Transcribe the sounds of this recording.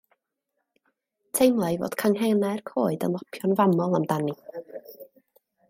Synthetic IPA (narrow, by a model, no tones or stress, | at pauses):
tʰejmlˠajvo̰ːd̥kʰaŋɦɛnarkʰoːɨdə̰nlˠɔpʰjɔnvamɔlˠamdani